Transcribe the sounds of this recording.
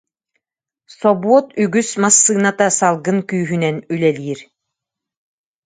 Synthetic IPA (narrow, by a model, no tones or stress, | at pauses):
sɔbuɔt̪yɡysmasːɯːnat̪asalˠɡɯnkyːɦynɛnylɛliːɾ